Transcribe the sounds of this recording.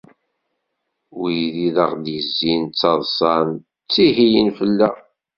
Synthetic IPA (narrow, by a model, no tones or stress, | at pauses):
wujðiðəʁd̪jəzːint͡sːɑðˤsˤɑn | t͡sːihijənfəlːæ